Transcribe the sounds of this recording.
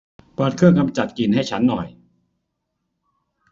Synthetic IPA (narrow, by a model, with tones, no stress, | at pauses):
pɤː˨˩t̪̚kʰɯ˥˩əŋka˧mt͡ɕa˨˩t̪̚ki˨˩nha˥˩jt͡ɕʰa˦˥nːɔ̰˨˩j